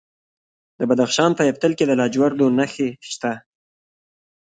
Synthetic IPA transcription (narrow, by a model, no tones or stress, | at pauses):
d̪̥əbad̪axʃɑnpəjaft̪əlked̪əlɑd͡ʒwaɾd̪onaxeʃt̪a